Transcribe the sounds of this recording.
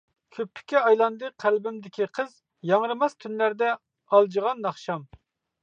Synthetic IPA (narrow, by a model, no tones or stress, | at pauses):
kʲʰøpʰːɪ̥kʲɛɑjlˠɑnd̪ɨqʰælbɪmd̪ɪkʲʰiqʰəz | jɑŋɾɨmɑst̪ʰynlæɾd̪ɛ | ɑlˠd͡ʒəʁɑnːɑχʃɑm